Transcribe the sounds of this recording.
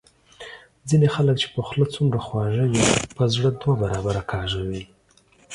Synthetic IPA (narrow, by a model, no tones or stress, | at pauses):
d͡zinexalək̚t͡ʃe̥pəxlət͡sumɾaxwɑʒəjopəzɽəd̪wabaɾɑbaɾakʰɑʒawi